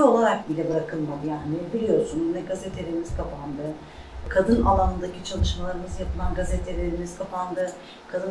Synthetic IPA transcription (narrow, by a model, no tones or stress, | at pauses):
o̞lˠaɾak̚bilʲɛbɯɾakʰɯlˠmad̪ɯjaːnnibilʲijo̞ɾsunnɛɡazet̪ʰelʲe̞ɾimiz̥kʰapʰand̪ɯ | kʰad̪ɯnalˠanɯnd̪acit͡ʃʰalˠɯʃmalˠaɾɯmɯzjapʰɯlˠanɡazet̪ʰe̞lʲeɾimiz̥kʰapʰand̪ɯ | kʰad̪ɯ